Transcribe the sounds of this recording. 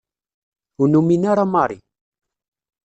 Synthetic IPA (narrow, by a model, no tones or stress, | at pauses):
unuminaɾamɑɾˤḭ